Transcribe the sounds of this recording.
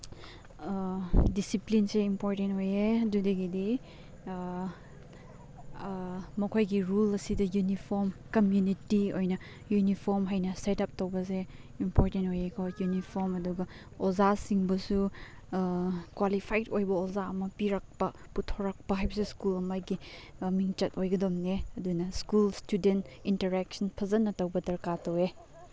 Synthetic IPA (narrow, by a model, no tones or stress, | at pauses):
disiplinseimpoɾtentojeɐdudeɡidi | mɐkʰojɡiɾulɐsidɐjunipʰoɾmkɐmjunitiojnɐ | junipʰoɾmɦajnɐsetɐp̚towbɐs̬e | impɔɾtentojekʰɔjunipʰoɾmɐduɡɐ | ozasiŋbɐsu | kwalipʰajtojbɐozaɐmɐpiɾɐk̚pɐ | putʰoɾɐk̚pɐɦajbɐseskulɐmajɡimiŋt͡ʃɐtojɡɐdomneɐdunɐskulstudentintɐɾɛk̚sɐnpʰɐzɐnːɐtɐwbɐdɐɾkatɐwe